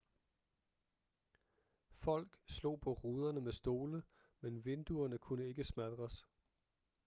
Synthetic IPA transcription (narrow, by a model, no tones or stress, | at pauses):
fɒ̽l̰ɡ̥slo̝̰ːpʰɒ̽ʁuːð̞ˠɐnəmesd̥o̝ːlə | menʋe̝nd̥uɐnəkʰunəe̝ɡ̥əsmæd̥ʁɐs